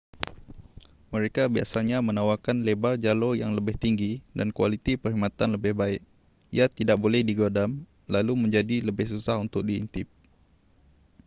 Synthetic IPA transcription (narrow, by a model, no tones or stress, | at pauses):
məɾekabia̰saɲamənawakanlebald͡ʒalojaŋləbɪht̪iŋɡidankualit̪ipərhimat̪anləbɪhbaɪʔ̚ | ḭat̪idaʔ̚bolɛhdiɡodam | lalumə̃ɲd͡ʒadiləbɪhs̬usahunt̪ʊk̚dḭːnt̪ɪp̚